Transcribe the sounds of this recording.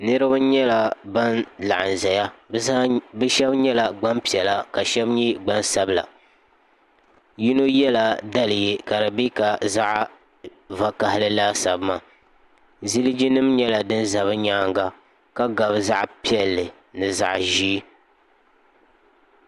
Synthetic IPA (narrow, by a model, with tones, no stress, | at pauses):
nɨ˦ɾɨ˦ba˦ɲɛ˦la˨ba˦nla̰˨ʔa˨n˨za˨ja˦zaː˦bɨ˦ʃɛ˦bɲɛ˦la˨ɡ͡ba˦mpi˨ɛ˨la˦ka˨ʃɛ˦bɲi˦ɡ͡ba˦nsa˦bla̰˨ | ji˦no˦jɛ˦la˦da˦lɨ˨je˦ka˨ɾɨ˨bi˦ka˨za˦ʔ | va˨ka˨hɪ˨lɨ˦laː˦sa˨bma˦ | zi˦lɨ˦d͡ʒi˦nɨ˦mɲɛ˦la˨dɨ˦nza˨βɨ˦ɲaː˦ŋɡa˦ | ka˦ɡa˨bɨ˦za˦ʔpi˦ɛ˨lːɨ˨ | nɨ˨za̰˨ʔʒi˦